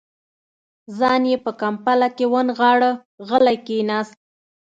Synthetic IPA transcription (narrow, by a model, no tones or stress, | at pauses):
zɑnjepəkampalakewənɣɑɽə | ɣəlajkenɑst̪̚